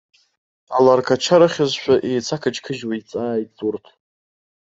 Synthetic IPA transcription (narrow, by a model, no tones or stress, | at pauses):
alarkʰat͡ʃʰaɾaχʲazʃʷᶣaʔejt͡sʰakʰad͡ʒkʰɨʒwait͡sʼaːjtʼt͡sʼurtʰ